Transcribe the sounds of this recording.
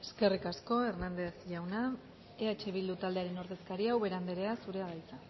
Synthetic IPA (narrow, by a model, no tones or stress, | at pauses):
e̞ske̞rikasko̞e̞rnand̪e̞sʝawna | eat͡ʃe̞βild̪ut̪ald̪e̞aɾe̞no̞ɾðe̞skaɾiawβe̞ɾand̪eɾe̞asuɾe̞aðajt͡sa